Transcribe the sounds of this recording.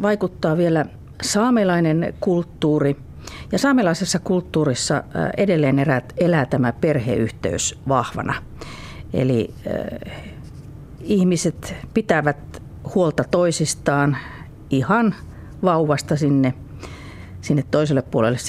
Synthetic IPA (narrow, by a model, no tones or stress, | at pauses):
ʋɑikut̪ːɑːʋielæ | sɑːmelɑinenkult̪ːuːri | jɑsɑːmelɑisesːɑkult̪ːuːrisːɑ̰edelːeːneræelæːt̪æmæperhḛyht̪ḛysʋɑhʋɑ̰nɑ̰ | ḛli | ihmiset̪pit̪æʋæt̪ | huolt̪ɑt̪oisist̪ɑːn | ihɑn | ʋɑuwʋɑst̪ɑsinːe | sinːet̪toiselːeppuolelːes